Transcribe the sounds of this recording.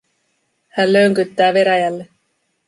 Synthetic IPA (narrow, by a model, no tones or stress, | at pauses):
hænløŋkyt̪ːæːʋe̞ɾæjælːe